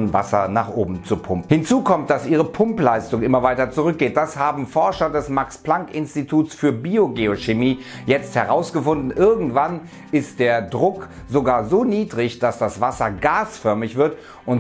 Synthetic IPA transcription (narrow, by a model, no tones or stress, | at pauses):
va̰sɐ̰naːχʔoːbm̩t͡supʰʊmp̩hɪnt͡suːkʰɔmt̚d̥asʔiːʁ̞əpʰʊmplaɪstʊŋʔɪmɐvaɪtɐt͡suʁʏk̚ɡ̥eːt̚d̥ashaːbm̩fɔɐʃɐdɛsmakspl̥aŋkʔɪnstitʰuːtsfyːɐbiːoɡeoʃemiː | jɛt͡sthɛʁaʊsɡ̥əfʊndn̩ʔɪɐɡŋ̩tv̥an | ɪstd̥eːɐdʁʊkz̥oɡaːɐzoːniːdʁɪçd̥asd̥asv̥asɐɡaːsfœɐmɪçv̥ɪɐt | ʔʊn